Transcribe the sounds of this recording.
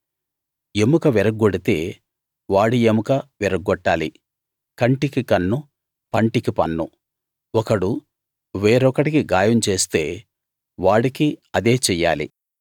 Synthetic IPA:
emukɐʋiɾɐk̚ɡoɽit̪e̞ː | ʋaːɽiemukɐʋɛɾɐk̚ːɡɔʈːaːlḭ | kɐɳʈikikɐnːu | pɐɳʈikipɐ̰nːṵ | ɔkɐɽu | ʋe̞ːɾɔkɐʈikiɡaːjɐmt͡ʃe̞ːst̪e̞ː | ʋaːɽikiɐd̪eːt͡ʃɛjːa̰ːlḭ

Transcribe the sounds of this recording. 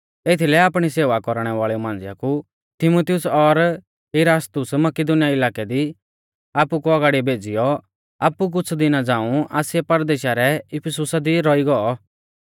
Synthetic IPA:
eːt̪ʰilɛaːpɽ̃iseːʋakɔɾɽ̃ɛʋaːɭɛumãːnd͡zɪja̰ku | t̪ɪmut̪ɪjʊsɔɾ | ɦɪɾaːst̪ʊsmɐkɪd̪ʊnɪjaɪlaːkɛd̪i | aːpukuɐɡaːɽibʱeːd͡zɪjɔ | aːpːuk̬ʊt͡sʰd̪ɪnad͡zãːũaːsɪɛpɐɾd̪eːʃaɾɛɪpʰɪsʊsad̪iɾɔiɡɔɔ

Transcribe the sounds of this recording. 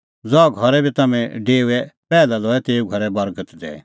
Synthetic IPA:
d͡zɔɡʱɔɾɛbʱit̪ɐmɛ̃ɖeːuɛpɛːlalɔːɛt̪eːuɡʱɔɾɛbɐɾɡət̪d̪ɛ̰ː

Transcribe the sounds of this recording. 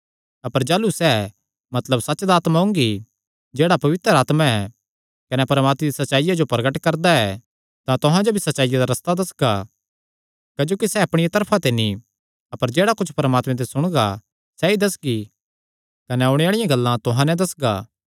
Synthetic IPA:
ɐpəɾd͡ʒaːlusɛ | mɐt̪ləbsɐtːt͡ʃd̪aːt̪mãɦʊ̃ŋɡi | d͡ʒeːɽapɐʋɪt̪ɾəɾaːt̪mãɛ | kɐnɛpɐɾmaːt̪med̪isɐtːʃaːijad͡ʒopɾɐɡəʈkɐɾd̪aɛ | t̪ãt̪ʊɦãd͡ʒobʱisɐtːʃaːɪjad̪aɾɐst̪ad̪ɐsɡa | kɐd͡ʒoːkisɛɐpɽ̃ɪjat̪ɐɾpʰãt̪eni | ɐpəɾd͡ʒeːɽakʊt͡ʃʰpɐɾmaːt̪mɛ̃t̪̬esʊɽ̃ɡa̰ | sɛid̪ɐsɡi | kɐnɛʊɽeaːɭɪjãɡɐlːãt̪ʊɦãnɛ̃d̪ɐsɡaː

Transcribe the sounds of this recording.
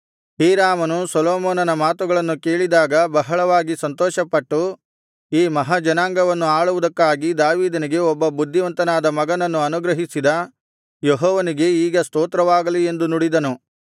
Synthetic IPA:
hiːɾaːmɐnusɐlɔːmɔːnɐnɐmaːt̪uɡɐɭɐnːuke̞ːɭid̪aːɡɐbɐɦɐɭɐʋaːɡisɐnt̪ɔːʃɐpːɐʈːu | iːmɐɦɐd͡ʒɐnaːŋɡɐʋɐnːuaːɭuʋud̪ɐkːaːɡid̪aːʋiːd̪ɐniɡe̞ɔbːɐbud̪ʱːiʋɐnt̪ɐnaːd̪ɐmɐɡɐnɐnːuɐnuɡɾɐɦisid̪ɐ | jeɦɔːʋɐniɡe̞iːɡɐst̪oːt̪ɾɐʋaːɡɐlie̞nd̪unuɽid̪ɐnu

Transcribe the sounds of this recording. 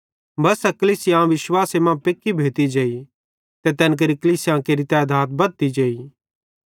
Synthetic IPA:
bɐsɛkəliːsɪjãʋɪswaːsemãpeːkːibʱeːt̪id͡ʒeːi | t̪et̪ɛːnk̬ɐɾikəliːsɪjãkeɾit̪ɛɐd̪ʱaːt̪̚bɐt̪id͡ʒeːi

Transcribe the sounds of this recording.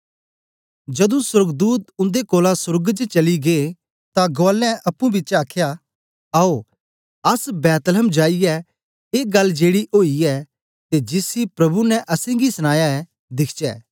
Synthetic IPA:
d͡ʒɐd̪ũsʊɾɡd̪uːt̪ʊ̃nd̪ekoːlasʊɾɡd͡ʒt͡ʃɐliɡe | t̪aɡolːɛ̃ʔɐpːũbɪtːt͡ʃaːkʰja | ao | ɐsbɛːt̪ləmd͡ʒaːiɛ | eːɡɐlːd͡ʒeːɽiʔoːiɛ | t̪ed͡ʒɪsipɾɐbunɛʔɐsẽɡisʊñaːjaɛ | d̪ɪkʰt͡ʃɛ̰ː

